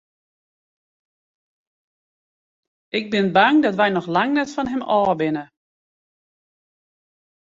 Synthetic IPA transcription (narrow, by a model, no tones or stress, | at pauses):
ɪɡ̚bɪnbaŋdɔtʋɛjnɔxlaŋnɛtfɔnɦɛmɔːbɪnə